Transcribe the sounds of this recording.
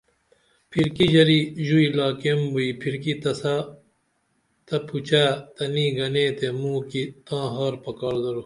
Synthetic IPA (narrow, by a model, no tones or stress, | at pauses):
pʰiɾkiʑɐɾiʑuilaːkembuipʰiɾkit̪ɐs | t̪ɐpʰut͡ɕaːt̪ɐniːɡɐnẽːt̪emũːkit̪ãːɦaːɾpɐkald̪ɐɾu